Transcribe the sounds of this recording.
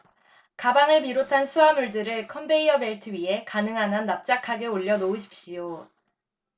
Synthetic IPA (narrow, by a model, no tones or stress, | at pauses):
kabaŋɯɭmiɾotʰansʰuamuɭdɯɾɯɭkʰʌmbe̞iʌme̞ɭtʰɯɥie̞kanɯŋɦanʌnːap̚t͡ɕ͈akʰaɡe̞oʎːʌnouɕʰi̥p̚ɕijo